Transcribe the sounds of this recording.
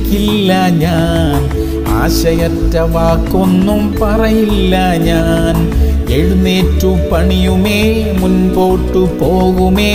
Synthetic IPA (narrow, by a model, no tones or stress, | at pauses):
kilːɐɲaː | n | a̰ːɕɐjɐtːɐʋaːkːonːumpɐrɐjilːɐ | ɲaːn | eɻunːeːtːupɐɳijumeː | munpo̞ːʈːupoːɣumeː